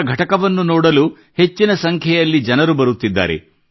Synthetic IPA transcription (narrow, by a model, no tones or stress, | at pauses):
ɡʱɐʈɐkɐʋɐnːunɔːɽɐlu | he̞t͡ʃːinɐsɐŋkʰjɛjɐlːid͡ʒɐnɐɾubɐɾut̪ːid̪ːa̰ːɾḛ